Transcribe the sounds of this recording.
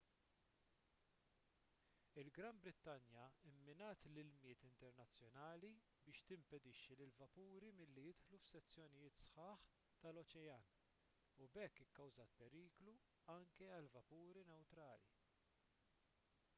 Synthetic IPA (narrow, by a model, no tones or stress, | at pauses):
ɪlɡɾɐmbɾɪt̪ːɐnjɐɪmːɪnɐːt̪lɪlmɪːt̪ɪnt̪ɛɾnɐt͡sːjɔnɐːli | bɪːʃt̪ɪmpɛd̪ɪʃːilɪlvɐpuːɾimɪlːijɪt̪ħlufsɛt͡sːjɔnɪjɪːt̪sħɐːħ | t̪ɐlɔt͡ʃɛjɐːn | ubɛkːɪkːɐwzɐːt̪̚pɛɾiːklu | ɐŋkɛɐlvɐpuːɾinɛwt̪ɾɐːlḭ